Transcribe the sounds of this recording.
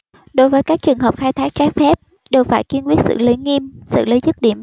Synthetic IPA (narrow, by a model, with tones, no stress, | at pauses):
ɗo˨˦jvəː˨˦jkaː˦˥k̚t͡ɕɨ˨˩əŋɦəː˨˩p̚xaː˧jt̪ʰaː˦˥k̚t͡ɕaː˦˥k̚fɛ˦˥p̚ | ɗe˨˩wfaː˧˩jki˧ənkwi˦˥ət̚sɨ̰˧˨ləː˨˦jŋi˧msɨ̰˧˨ləː˨˦jzɨ˦˥t̚ɗi˧˩əm